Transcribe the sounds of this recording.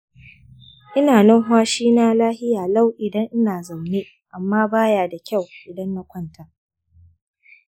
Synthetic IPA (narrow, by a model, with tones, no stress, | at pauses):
ʔɪ˦naː˨nɔ˦ŋɦwaː˦ʃiː˦naː˦laː˦hɪ˦jaː˨la˦˨wʔɪ˨dɐ˦ŋʔɪ˦naː˨zɐ˨mneː˦ | ʔa˨mːaː˦baː˦jaː˨da˨kʲa˦˨wʔɪ˨dɐ˦nːa˦kʷɐ˦nta˨